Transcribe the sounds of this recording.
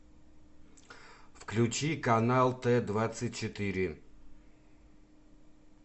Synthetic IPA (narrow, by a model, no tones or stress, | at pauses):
fklʲʉt͡ɕikɐnalˠt̪ɛd̪vat̪sɨt̚ʲt͡ɕɪt̪ɨɾʲɪ